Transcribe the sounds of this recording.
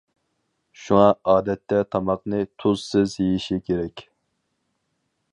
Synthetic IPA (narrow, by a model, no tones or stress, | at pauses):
ʃuŋɑɑːd̪ɛt̪ːɛt̪ʰɑmɑqnɨt̪ʰuz̥sɨzjejiʃikʲʰeɾɛkʲ